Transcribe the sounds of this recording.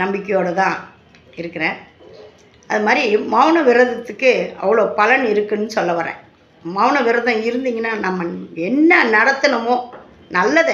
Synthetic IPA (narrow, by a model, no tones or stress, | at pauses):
nɐmbɪkːɛjoːɽɐt̪ãː | ɪɾɯkːɪɾẽː | ʔɐðɯmaːd̪ɾimaːʋnɐʋɪɾɐðɐt̪ːɯkːɯɐ̰ʋɐɭoːpɐlɐnɪɾɯkːɯnːɯsɔlːɐʋɐɾɛ̰̃ː | mɐːʋɳɐʋɪɾɐðɐ̃ɪɾɯnd̪iːŋɡɐnːaːnɐmːɐɛnːɐnɐɽɐt̪ːɯnɐmõː | nɐlːɐðɯ